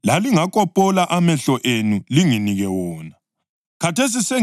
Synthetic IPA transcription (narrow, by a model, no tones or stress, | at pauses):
laliŋakʼɔpʼɔlaʔamɛɬɔʔenuliŋiniɣɛwɔːna | kʰatʰes̬ise